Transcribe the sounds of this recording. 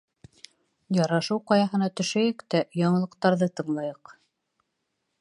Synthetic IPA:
jɑɾɑʃɤwqɑjɑɦɤ̆nɑt̪ɵ̆ʃæjɘkt̪æjɑɴɤ̆lˠɤ̆qt̪ɑɾðɤt̪ɤ̆ɴlˠɑjɤq

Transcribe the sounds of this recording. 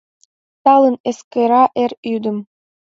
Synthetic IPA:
t̪ɑlˠəneskeɾɑʔeɾyd̪ɘ̆m

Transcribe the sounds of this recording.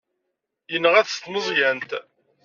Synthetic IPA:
jənːəʁæθst̪məzˤjænt̪

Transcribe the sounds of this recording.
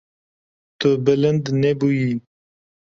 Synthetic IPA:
t̪ɨbɪlənd̪nebuji

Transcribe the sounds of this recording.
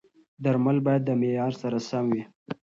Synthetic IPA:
d̪aɾmalbɑjad̪ːəmejɑɾsaɾasamwi

